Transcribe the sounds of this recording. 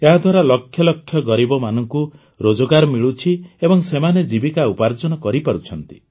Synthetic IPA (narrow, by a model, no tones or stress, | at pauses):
eɦad̪ʱwaɾalɔkʰːjɔlɔkʰːjɔɡɔɾibɔmanɔŋku | ɾod͡ʒɔɡaɾɔmiɭut͡ʃʰiebɔŋsemaned͡ʒibikaupaɾd͡ʒɔnɔkɔɾipaɾut͡ʃʰɔnt̪i